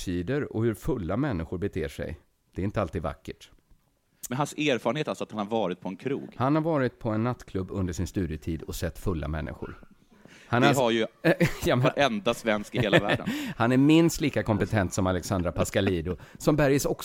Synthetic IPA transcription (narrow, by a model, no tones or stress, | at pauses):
ʂiːd̪əɾɔ̰hɵɾfɵlːamɛnːɪɧʊɾbɛt̪ʰḛːʂɛ̰j | d̪̥ɛɾɪnt̪əalt̪iːd̪va̰kːəʈ | mɛnhanseːɾfɑːɾənheːt̪alsɔat̪hanhaɾvɑːɾɪt̪̚pʰɔɛnkʰɾṵːɡhanhaɾvɑːɾɪt̪̚pʰɔɛnːat̪ːkʰlɵbːɵnd̪əʂɪnst̪ʉ̟ːd̪ɪət̪ʰiːd̪ɔsɛt̪ːfɵlːa̰mɛ̰nːɪ̰ɧʊ̰ɾ | hanaaɾjɵjɑmɛʔɛnd̪asvɛnskɪeːlvæːɖə̰nhanæɾmɪnst̪liːkakʰɔmpɛt̪ʰɛnt̪sɔmalɛksand̪ɾapʰaskaliːd̪ʊsɔmbæɾjəsɔk